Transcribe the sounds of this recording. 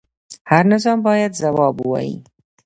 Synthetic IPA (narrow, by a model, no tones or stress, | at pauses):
haɾnɪzɑmbɑːjad̪zawɑbuwɑ̰jḭ